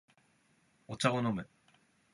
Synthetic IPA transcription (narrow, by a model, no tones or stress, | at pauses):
ot͡ɕaonomɯ̟